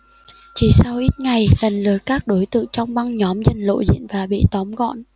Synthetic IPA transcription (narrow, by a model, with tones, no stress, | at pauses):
t͡ɕi˨˦sa˧wʔi˦˥t̚ŋa˨˩jlə˨˩ŋlɨ˨˩ət̚kaː˦˥k̚ɗo˨˦jt̪ɨ̰˧˨ŋt͡ɕɔ˧wŋ͡mɓa˧ŋɲɔ˨˦mzə˨˩nlo̰˧˨zḭ˧˨ənvaː˨˩ɓḭ˧˨t̪ɔ˨˦mɣɔ̰˧˨n